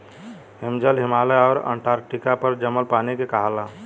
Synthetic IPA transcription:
ɦimd͡ʒəlɦimaləɔːɾə̰ɳʈʰaɾk̚ʈikapəɾd͡ʒəməlpanikekəɦala

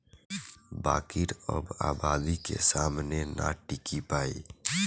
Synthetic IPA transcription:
baːkɪɾɔːba̰ːbaːd̪ikḛsaːmnenʔa̰ʈɪkipaːḭː

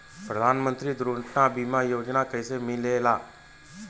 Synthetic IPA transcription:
pɾəd̪ʱaːnmə̃nt̪ɾid̪ɾoɳʈnabiːmajoːd͡ʒnakəɪsemɪlelaː

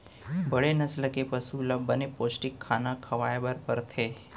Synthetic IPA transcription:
bɐɽenɐslkepɐsuləbənepoːsʈɪkʰːaːnakʰɐʋaːjbəɾpəɾt̪ʰeː

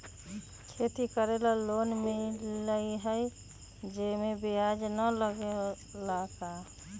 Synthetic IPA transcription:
kʰet̪ikəɾelalonmeləɦəj | d͡ʒemebijad͡ʒnələɡe | laka

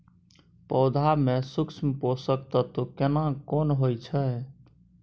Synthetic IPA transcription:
pɔd̪ʱamesuksmposək̚t̪ət̪okenakonɦojt͡ʃʰə

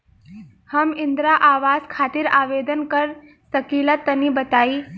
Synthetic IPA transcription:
həmɪnd̪ɾaʔaːʋaːskʰaːt̪iɾaːʋeːd̪ənkəɾ | səkilat̪ənibət̪aːi

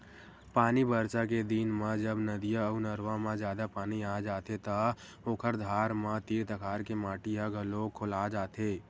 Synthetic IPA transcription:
paːnibəɾt͡ʃaked̪iːnmãd͡ʒəbnəd̪ɪjaəunəɾʋãmãd͡ʒjaːd̪apaːniaːd͡ʒaːt̪ʰet̪a | oːkʰəɾd̪ʱaːɾmãt̪iːɾt̪əkʰaːɾkemaːʈiɦaɡʱəlokʰʊlaːd͡ʒaːt̪ʰeː

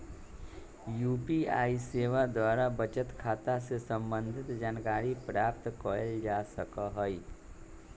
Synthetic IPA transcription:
juːpia̰ːiseːʋad̪waːɾabət͡ʃət̪kʰaːt̪asesə̃mbə̃nd̪ʱɪt̪d͡ʒaːnkaːɾipɾaːp̚t̪kɔəld͡ʒaːsəkaɦɔi

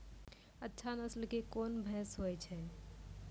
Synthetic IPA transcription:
ətːʃʰanəslkekonbʱɛ̃sɦoɛt͡ʃʰɛ

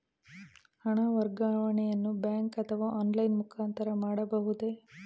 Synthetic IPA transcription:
hɐɳɐʋɐɾɡaːʋɐɳɛjɐnːubjaːŋkɐt̪ʰɐʋaːʔaːnlɐjnmukʰaːnt̪ɐɾɐmaːɽɐbɐɦud̪e

